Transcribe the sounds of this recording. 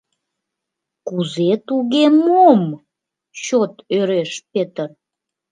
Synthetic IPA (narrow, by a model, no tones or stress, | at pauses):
kuzet̪uɣemom | t͡ɕot̪øɾeʃpet̪ər